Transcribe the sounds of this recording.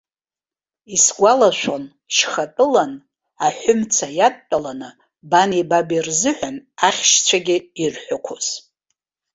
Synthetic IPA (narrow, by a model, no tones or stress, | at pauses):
isɡʷalaʃʷon | ʃχatʼɨlan | aħʷʊmt͡sʰajatːʷʼalanɨ | banibabirzɨħʷᶣanaχʲʃt͡sʷʰaɡʲɪirħʷᶣakʷʰoz̥